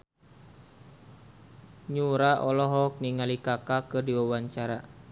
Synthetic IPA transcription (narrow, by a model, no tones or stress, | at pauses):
ɲuɾaʔɔlɔɦɔk̚niŋalikakakərdiwawaɲt͡ʃaɾa